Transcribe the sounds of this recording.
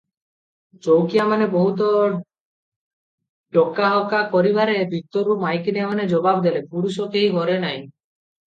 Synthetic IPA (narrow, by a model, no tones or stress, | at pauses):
t͡ʃowkijamanebɔɦut̪ɔ | ɖɔkaɦɔkakɔɾibaɾebʱit̪ɔɾumajkiniamaned͡ʒɔbabd̪elepuɽus̬ɔkeɦiɡʱɔɾenaj̃